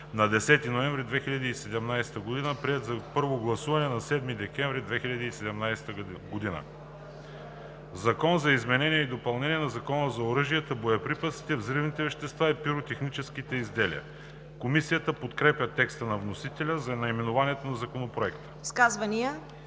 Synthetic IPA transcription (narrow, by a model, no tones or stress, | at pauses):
nɐd̪ɛsɛt̪inoɛ̃ɱvɾid̪vɛxiʎʲɐd̪iːsɛd̪ɛmnajsɛ̥t̪əɡod̪inəpɾiɛt̪zɐpɤɾvoɡlˠɐsuvɐnɛnɐsɛd̪mid̪ɛkʲɛɱvɾid̪vɛxilʲɐd̪iːsɛd̪ɛmnajsɛ̥t̪əɡod̪inə̰ | zɐkɔnzɐizmɛnɛnʲijɛid̪opɐlˠnɛniɛnɐzɐkɔnəzɐoɾɤʒijət̪əbojɐpɾipət̪si̥t̪ɛvzɾivnit̪ɛvɛʃt̪ɛst̪vaipiɾot̪ɛxnit͡ʃɛsk̟it̪ɛizd̪ɛlḭə̰ | komisijət̪əpot̪kɾɛpʲjət̪ɛkst̪ənɐvnosit̪ɛlʲəzɐnɐimɛnovaniɛt̪onɐzɐkonopɾoɛkt̪ə̥skazvɐnijə